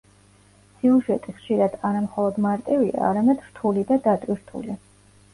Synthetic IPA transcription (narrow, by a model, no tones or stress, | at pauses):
siuʒɛt̪ʼiχʃiɾad̪̥aɾamχɔlˠɔd̪maɾt̪ʼivia̰ːɾamɛd̪ɾ̥t̪ʰulid̪ad̪at̪ʼwiɾt̪ʰṵli